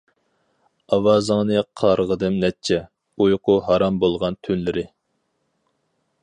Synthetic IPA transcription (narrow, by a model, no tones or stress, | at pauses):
ɑwɑːzəŋnɨqʰɑɾʁəd̪ɨmnɛt͡ʃʰɛ | ujqʰʊɦɑɾɑmbolˠʁɑnt̪ʰynlɪɾɪ